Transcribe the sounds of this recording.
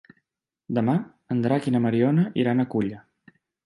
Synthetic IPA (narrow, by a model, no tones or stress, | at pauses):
d̪əma | ənd̪ɾakinəməɾiɔnəʔiɾanəkuʎə